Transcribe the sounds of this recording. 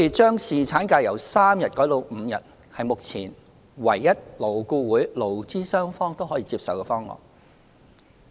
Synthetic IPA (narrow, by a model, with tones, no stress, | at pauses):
e˨˩t͡ʃœː˥ŋsiː˨t͡sʰaː˨˥nkaː˧jɐ˨˩wsaː˥mjɐ˨t̚kɔː˨˥jt̪o˧wm̩˨˧jɐ̰˨t̚ | hɐ˨jmʊ˨k̚t͡sʰiː˨˩n | wɐ˨˩jːɐ˥t̚lo˨˩wkuː˧wuː˨˥jlo˨˩wt͡siː˥sœː˥ŋfɔː˥ŋt̪o˥wɦɔː˨˥jiː˧t͡siː˧psɐ˨wkɛː˧fɔː˥ŋɔ̰ː˨˩n